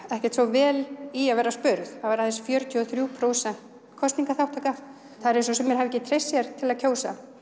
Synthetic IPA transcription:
ɛhcɛ̥ɾ̥t̪sfɔvɛːliaðvɛːɾːaspʏɾðavaɾaðɛnsfjœːɾʏt̪ʰjʏɔθɾjupʰɾoːwsɛn̥t̪ | kʰɔst̪niŋkaθawht̪ʰaːka | θaðɛɾes̬ɔsɛmːjɛɾ̥havɪcːɪt̪ʰɾejsːjɛɾt̪ʰɪlaðcʰoːwsa

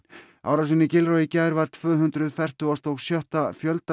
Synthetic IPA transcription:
aːwɾasinːɪcɪlɾɔɪcaːjɾvaɾ̥t̪ʰvœːɦʏnt̪ɾʏðfɛr̥t̪ʏɔst̪ɔɣsjœht̪afjœlt̪a

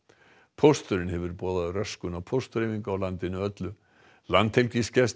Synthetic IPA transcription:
pʰowst̪ʏɾɪnhɛvʏɾpɔːðaðʏrœskʏnawpʰost̪ʏɾejviŋkʏawlant̪ɪnʏœt̪lʏ | lant̪hɛlciscɛs

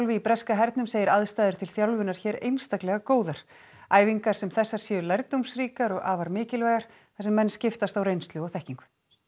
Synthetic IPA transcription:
wlvɪipɾɛskaɦɛɾt̪nʏmseːjɪɾaðst̪aːjðʏɾ̥t̪ʰɪlθjawlvɪnaɾ̥çɛːɾḛjnst̪aklɛɣakoːwðaɾ̥ | aːjviŋkaɾ̥sɛmθɛsːaɾ̥sjɛːʏɾlajɾt̪owmsriːkaɾɔɣaːvaɾmɪːcɪlvɛːɣaɾ̥ | θɛsɛmːɛnːscɪft̪ast̪awrejnst̪lʏɔɣθɛhciŋkʏ̥

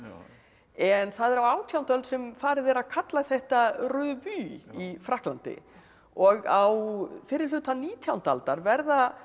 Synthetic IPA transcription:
ɛnθaðɛɾawaːwt̪ʰjawnt̪œlt̪sɛmfaːɾɪðɛːɾaðkʰat̪laθɛht̪arʏːðvyːifɾahklant̪ɪ̰ | ɔɣawfɪɾɪɾlʏːt̪aniːt̪ʰjawnt̪a̰lt̪aɾvɛɾða

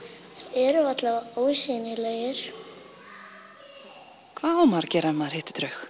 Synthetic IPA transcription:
ɛɾʏvat̪lavoːwsinɪleːjɪɾ̥ | kʰvaːɔmaɾcɛːɾamaðɾhɪht̪ɪ̥t̪ɾœɥx

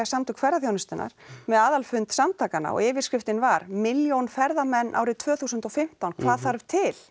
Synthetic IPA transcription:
asamt̪ʏkʰfɛɾaθjownɪst̪ɪna̰ɾ̥mɛðaːðalfʏnt̪samt̪ʰaːkana̰ɔ̰ɣɪːvɪɾ̥skɾɪft̪ɪnvaɾmɪljownfɛɾðamɛnːʔa̰ːwɾɪt̪ʰvœːθuːsʏnt̪ɔfɪm̥t̪awnkʰv̥aːðθaɾv̥t̪ʰɪl

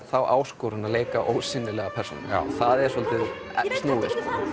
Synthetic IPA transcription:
θawʔaːwskowɾɪnaleːjkaʔoːwsɪnːɪlɛɣapʰɛr̥so̰nɪ̰nθaðɛɾ̥sɔlt̪ɪð | st̪nuːɣɪst

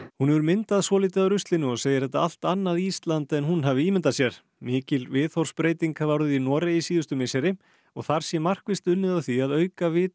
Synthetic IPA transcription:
hunɛvʏɾmɪnt̪aðsvɔːliːt̪ɪðaɾʏst̪lɪnːʏɔɣseːjɪɾ̥θɛht̪ːaal̥t̪anːaðiist̪lant̪ɛnɦunɦavɪiːmɪnt̪asjɛɾ̥ | mɪːcɪlvɪðθɔwr̥spɾeːjt̪iŋkavaɾðʏinɔːɾejisiːðʏst̪ʏmesɛɾɪ | ɔɣθaɾ̥sjɛmar̥kvɪst̪ʏnːɪðawθiaðœːɥkavɪːt

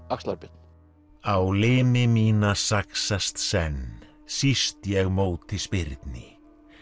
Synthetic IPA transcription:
akslaɾpɪt̪n̥ | awlɪːmɪmiːnasaksast̪sɛn | sist̪jɛɣmoːwt̪ʰɪspɪɾt̪nɪ

